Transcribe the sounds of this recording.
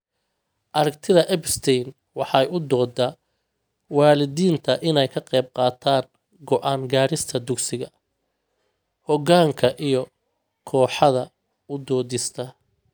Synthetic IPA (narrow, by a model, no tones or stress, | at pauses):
ʔɐɾɐkt̪ʰɪðɐʔɛbst̪ʰɛjn | wɑħɑjʊd̪ɔːd̪ɐ | wɑːlɪðiːnt̪ʰɐʔɪnɛjkʰɐqɛjb̚qɑːt̪ʰaːŋ | ɡɔʔaːŋɡaːɾɪst̪ʰɐd̪ʊksɪɣɐ | hɔɣaːŋkʰɐʔijɔ | kʰɔːħɑðɐ | ʊd̪ɔːðɪst̪ʰɐ